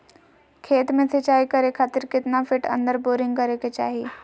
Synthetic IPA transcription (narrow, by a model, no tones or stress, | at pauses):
kʰeːt̪mẽt̪ʰet͡ɕaːikəɾekʰaːt̪iɾkɪt̪nafɪʈɐ̰̃nd̪əɾboɾɪ̃ŋɡkəɾeket͡ɕa̰ːɦiː